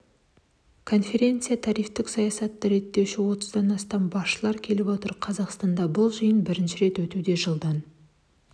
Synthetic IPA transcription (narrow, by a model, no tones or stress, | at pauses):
kʰo̞nfe̞ɾʲe̞nt̪sɨjat̪ʰɑɾijft̪ɪksɑjɑsɑt̪ːɑɾe̞t̪ːe̞wʃɪwo̞t̪əzd̪ɑnɑst̪ɑmbɑsʃəlˠɑɾkʲʰe̞lɪpwo̞t̪əɾqʰɑzɑqst̪ɑnd̪ɑbʊlˠʒəjənbɪɾɪnʃɪɾe̞t̪wɵt̪ud̪e̞ʒəlˠd̪ɑn